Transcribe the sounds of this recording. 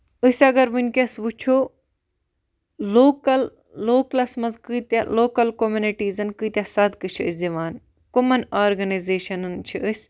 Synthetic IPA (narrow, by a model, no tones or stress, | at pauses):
ɨsʲɐɡɐɾʋɨnʲkʲɐsʋut͡ʃʰo | loːkɐlː | oːklɐsmɐnzkɨːt̪aloːkɐlkomuniʈiːzɐnkɨːt̪ʲjasɐd̪kɨt͡ʃʰiɨsʲzɐʋaːn | kumɐnaːɾɡɐnɐzeːʃɐnɨnt͡ʃʰiɨsʲ